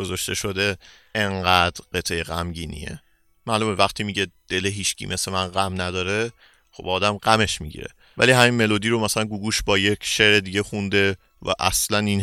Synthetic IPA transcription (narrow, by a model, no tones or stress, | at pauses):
ozɒʃt̪e̞ʃo̞d̪e̞ | eŋɢæd̪̥ɾɢet̪ʰejeɣæmɟiːnḭḛ | mæːlumevæχt̪ʰiːmiɟed̪̥e̞leɦiːʃcʰḭmʔesemænɢæmnæd̪ɒːɾe | xobɒːd̪æmɢæme̞ʃmiɟḭɾḛ | væ̰liɦæminme̞lod̪iːɾo̞mæsælænɡuːɡuːʃbɒːje̞cʰʃeɾed̪iɟexund̪e̞ | væ̰ʔæ̰slænin